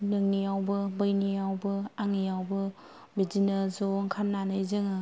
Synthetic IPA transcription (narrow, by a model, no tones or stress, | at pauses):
nɯŋnijawbɯbɯjniawbɯaŋijawbɯ | bizinəzɔŋkʰannːanɯjzɯŋɯ